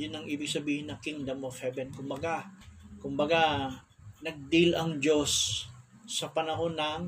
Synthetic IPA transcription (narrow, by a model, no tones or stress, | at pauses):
jʊnɐŋʔiːbɪɡ̚sɐbiːhɪnːɐkɪŋd̪ɐmofhɛbɛnkʊmbɐɡakʊmbɐɡa | nɐɡ̚d̪ilɐŋd͡ʒo̞sː | ɐpɐnɐho̞nɐŋ